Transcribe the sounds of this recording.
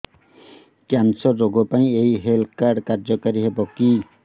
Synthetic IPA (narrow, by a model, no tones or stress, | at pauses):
kjansɔɾːoɡɔpaĩejɦelʰkaɾɖkaɾd͡ʒɔkaɾiɦebɔki